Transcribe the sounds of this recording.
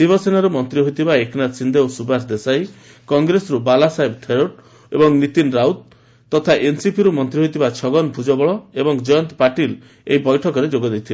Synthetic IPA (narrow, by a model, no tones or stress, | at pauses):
d̪̥ibɔsenaɾumɔnt̪ɾiɦojt̪ʰibaekʰnasind̪ewsubasd̪esaj | kɔŋɡɾesɔɾubalasaibt̪ʰeɾoʈ | ebɔŋnit̪inɾawt̪̚ | t̪ːɔt̪ʰaʔensipiɾumɔnt̪ɾiɦojt̪ʰibat͡ʃʰɔɡɔnpʰud͡ʒɔbɔɭɔebɔŋd͡ʒɔjɔnt̪paʈil | eibɔjʈʰɔkɔɾed͡ʒoɡɔd̪et̪ʰil